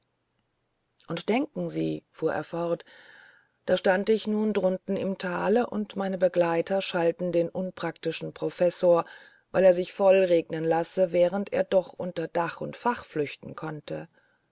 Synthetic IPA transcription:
ʔʊntd̥ɛŋkŋ̩zḭːfuːɐʔḛːɐfɔʁt | d̥aːʃtantɪçnuːndʁʊntn̩ɪmtʰaːləʔʊ̰ntmaɪnəbəɡlaɪtʰɐʃaltn̩deːnʔʊnpʁ̥aktɪʃn̩pʁ̥ofɛsoːɐ | vaɪleːɐzɪçfɔlʁeːɡnənlasəvɛːʁ̞əntʔḛːɐdɔχʔʊ̰ntɐd̥aχʊ̰ntfaχflʏçtn̩kʰɔntə

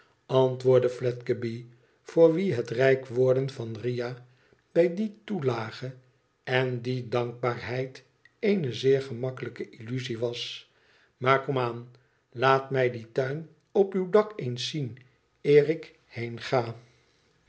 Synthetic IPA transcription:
ɑntʋʊːɹdəflɛtkəbi | fʊːɹʋiɦətrɛjkʋʊːɹdənvɑnrija | b̥ɛjditulaːχə | ɛndidɑŋk̚baːɹɦɛjt | ejnəzɪːɹχəmɑkələkəʔilyziʋɑs | maːɹkɔmaːn | laːtmɛjditœɥn | ɔpywdɑkejnsːin | ɪːrɪk | hejnχaː

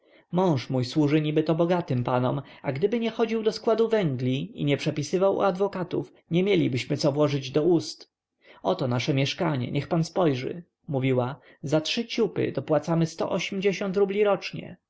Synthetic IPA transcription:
mɔ̃w̃ʂmujswuʐɘɲibɘt̪ɔbɔɡat̪ɘmpanɔmaɡd̪ɘbɘɲɛxɔd͡ʑiwd̪ɔskwad̪uvɛŋɡlʲiḭɲɛpʂɛpʲisɘvawṵad̪vɔkat̪ṵf | ɲɛmʲjelʲibɘɕmɘt̪sɔvwɔʐɘd͡ʑd̪ɔust̪ | ɔt̪ɔnaʂɛmʲjɛʂkaɲɛ̰ɲʔɛxpanspɔjʐɘ̰ | muvʲiwa | zatʂɘt͡ɕupɘ̰d̪ɔpwat̪samɘst̪ɔ̰ʔɔɕɛmd͡ʑeɕɔnt̪ɾublʲiɾɔt͡ʂɲɛ̰

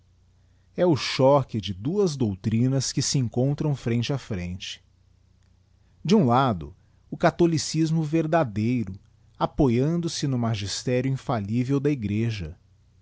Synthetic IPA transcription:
ɛʊʃɔkɪd͡ʒɪd̪uɐzd̪owt̪ɾĩnɐskɪsɪẽŋkõnt̪ɾɐ̃w̃fɾẽnt͡ʃɪafɾḛ̃nt͡ʃɪ̥ | d͡ʒɪũlad̪ʊ̰ | ʊkat̪olisizmʊveɾd̪ad̪ejɾʊ | apojɐ̃nd̪ʊsɪnʊmaʒist̪ɛɾjʊĩfalivewd̪ɐiɡɾeʒɐ

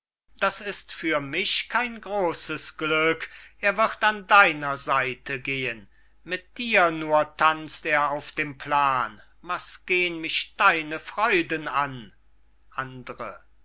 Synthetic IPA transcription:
d̥asɪstfyːɐmɪçkʰaɪnɡʁoːsəsɡ̥lʏkʔeːɐvɪʁtandaɪnɐzaɪtʰəɡeːən | mɪt̚d̥iːɐnuːɐtʰant͡steːɐaʊfd̥eːmplaːn | vasɡ̥eːənmɪçd̥aɪnəfʁ̥ɔʏdənan | ʔandəʁə

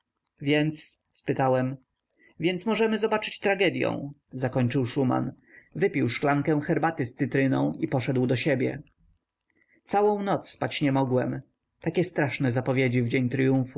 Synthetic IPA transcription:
vʲjɛnt̪s | spɘt̪awɛm | vʲjɛnt̪smɔʐɛmɘzɔbat͡ʂɘ̥t͡ɕt̪ɾaɡɛd̪ʲjɔ̰̃w̃zakɔɲt͡ʂɘwʂuma̰n | vɘpʲiwʂklaŋkɛw̃xɛɾbat̪ɘst̪sɘt̪ɾɘnɔ̃w̃ipɔʂɛd̪wd̪ɔɕebʲjɛ̰ | t̪sawɔ̃w̃nɔt̪sspat͡ɕɲɛmɔɡwɛm | t̪akʲɛst̪ɾaʂnɛzapɔvʲjed͡ʑivd͡ʑeɲt̪ɾjũfu

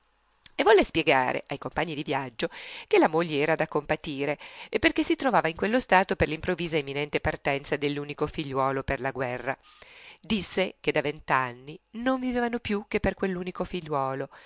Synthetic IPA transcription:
evːɔlːespjeɡa̰ːɾḛʔajkompaɲːid̪ivjad͡ʒːok̟elamoʎːeɛːɾad̪akːompat̪iːɾeepːerkesːit̪ɾovaːvaiŋkwelːost̪aːt̪operlimpɾovːiːzaemːinɛnt̪epart̪ɛnt̪sad̪elːuːnikofiʎːwɔːloperlaɡwɛrːa | d̪isːeked̪avent̪anːinoɱvivevanopjuk̟ːepːerkwelːuːnikofiʎːwɔːlo

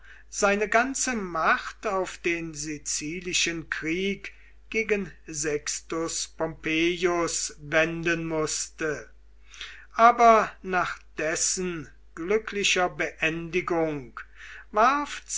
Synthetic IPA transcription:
z̥aɪnəɡant͡səmaχtaʊfd̥eːnzit͡siːlɪʃənkʁ̥iːk | ɡ̥eːɡənzɛkstʊspɔmpeːjʊsvɛndənmʊstə | ʔaːbɐnaːχd̥ɛsən | ɡ̥lʏkʰlɪʃɐbəʔɛndɪɡʊŋkvaɐf

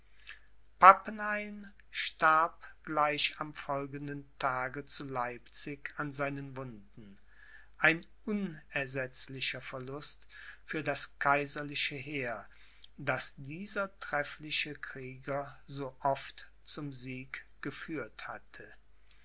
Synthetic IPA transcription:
papnaɪn | ʃtaɐpɡ̥laɪʃamfɔlɡəndəntʰaːɡət͡sulaɪpt͡sɪkanzaɪnənvʊndn̩ | ʔaɪn | ʔʊnɛɐzɛt͡slɪʃɐfɛɐlʊst | fyːɐdaskʰaɪzɐlɪʃəɦeːɐ | dasd̥iːzɐtʁ̥ɛflɪʃəkʁ̥iːɡɐzoːʔɔft | t͡sʊmziːk | ɡ̥əfyːɐthatʰə

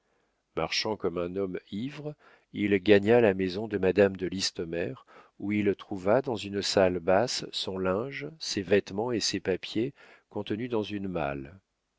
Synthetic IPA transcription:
ma̰ʁʃɑ̃kɔmɛ̃nɔmivʁ | ilɡaɲalamezɔ̃d̪əmad̪amd̪əlist̪ɔmɛʁ | uilt̪χuvad̪ɑ̃zynsalbassɔ̃lɛ̃ʒsevɛt̪mɑ̃esepapje | kɔ̃t̪ənyd̪ɑ̃zynma̰l

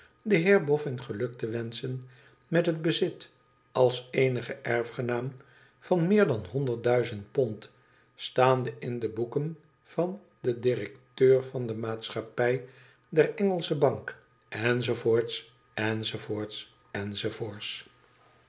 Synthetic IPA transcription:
dəɦɪːɹbɔfɪnχəlɵk̚təʋɛnsən | mɛtɦəd̚bəzɪt | ɑlˠsejnəχəʔɛɹfχənaːm | vɑnmɪːɹdɑnɦɔndəɹt̚dœɥzənt̚pɔnt | staːndəʔɪndəbukən | v̥ɑn | dədɪrɛktøːɹvɑndəmaːtsχɑpɛj | dɛrɛŋəlˠsəbɑŋk | ɛnzovoːɹts | ɛnzovoːɹts | ɛnzovoːɹts

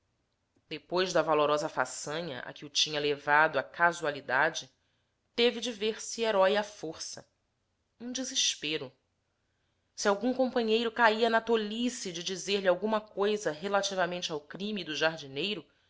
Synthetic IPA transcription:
d̪epojʒd̪ɐvaloɾɔzɐfa̰sɐ̃ɲɐ̰ʔa̰kɪʊt͡ʃĩɲɐlevad̪ʊɐkazualid̪ad͡ʒɪ | t̪evɪd͡ʒɪveɾsieɾɔjɐfoɾsɐ̰ | ũd͡ʒiziʃpeɾʊ | siawɡũŋkõmpɐ̃ɲejɾʊkaiɐnɐt̪olisid͡ʒɪd͡ʒizeɾlɪawɡũmɐkojzɐɦelat͡ʃivɐmẽnt͡ʃɪawkɾĩmid̪ʊʒaɾd͡ʒinejɾʊ

